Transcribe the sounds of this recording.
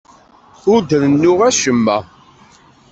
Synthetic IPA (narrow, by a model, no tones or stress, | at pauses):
ʊɾd̪ənnːʊʁæʃəmːæ